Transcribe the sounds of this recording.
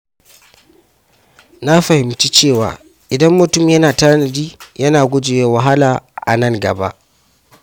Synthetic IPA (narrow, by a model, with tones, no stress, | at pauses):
na˦ɸɐ˨hɪ˨mt͡ʃiː˦t͡ʃeː˦˨wa̰ː˨ | ʔɪ˨dɐ˦mːʊ˨tʊ˦˨mjɐ˦naː˨ta˦nɐ˨diː˦jɐ˦naː˨ɡʷʊ˦d͡ʒɪ˨jeː˦wɐ˨ɦa˦laː˨ʔa̰˨nɐ˦˨ŋɡɐ˨ba̰˦ʔ